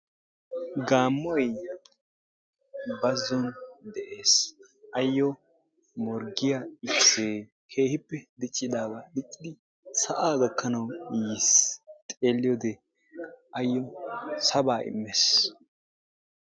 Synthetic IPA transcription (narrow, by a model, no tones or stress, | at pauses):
ɡaːmːɔj | bɐzːɔnd̪ɛʔe̞ːs | ʔɐjːɔ | mɔɾɡɪjaɪkseː | kʰe̞ːhɪpːɛd̪ɪt͡ʃʼːɪd̪aːbad̪ɪt͡ʃʼːɪd̪ɪ | sɐʔaːɡɐkːɐnɐwjist̪ʼe̞ːlːɪjɔd̪ɛ | ɐjːɔsɐbaːʔɪ̰mːes